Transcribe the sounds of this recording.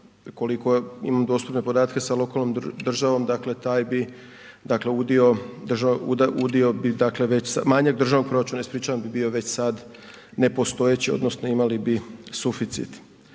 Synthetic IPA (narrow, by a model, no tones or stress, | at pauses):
ko̞liko̞ḭmamd̪o̞st̪upne̞po̞d̪aːt̪ke̞salo̞kalnomd̪r̩ʒaʋo̞md̪akle̞t̪aːjbi | d̪akle̞ud̪io̞d̪r̩ʒaṵd̪ud̪io̞bid̪akle̞ʋe̞t͡ɕsamaɲaɡ̚d̪r̩ʒaʋnokpɾo̞ɾat͡ʃunaispɾiːt͡ʃaʋambibio̞ʋet͡ɕsad̪ | ne̞po̞st̪o̞jet͡ɕio̰d̪no̞sno̞imalibisufit̪sḭt̪